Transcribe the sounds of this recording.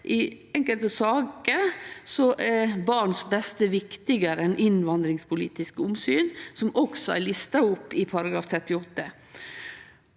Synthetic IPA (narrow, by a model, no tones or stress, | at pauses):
ʔɪ | ɛŋkəlt̪əsɑːkəsɔʔæɾbɑɳsbɛst̪əʋɪkt̪ɪɡəɾəɛnʔɪnʋɑnd̪ɾɪŋspʰʊlḭːt̪ɪskəʊmsyːnsɔmɔɡsɔæ̰ɭɪst̪ɑʊpːɪpʰɑɾɑɡɾɑːft̪ʰɾɛt̪ːɪɔt̪ːə